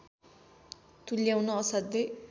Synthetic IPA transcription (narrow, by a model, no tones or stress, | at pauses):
t̪uljawnʌːsad̪ej